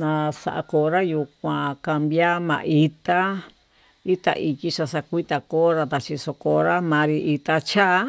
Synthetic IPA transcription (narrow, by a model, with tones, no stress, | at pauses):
nã˧sa̰˧ʔa̰˧ko˧ɾa˦ju˧kʷã˨˧ka˧mbja˦mã̰˧ʔi˧t̪a˦ | i˦t̪a̰˧ʔi˧ki˦ʃa˧sa˧kʷi˦t̪a˨ko˦ɾa˧t̪a˧˨t͡ʃi˧so˧ko˧ɾa˦mã˨˧ɾi˧ʔi˧t̪a˧t͡ʃa˦